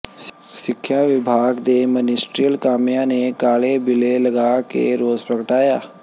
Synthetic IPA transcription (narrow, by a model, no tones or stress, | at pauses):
sɪkʰːjaʋɪbʱaːɡd̪emənɪsʈɾijəlkaːmjanekaːɭebɪlelɐɡaːkḛɾoːzpɾəkəʈaːjaː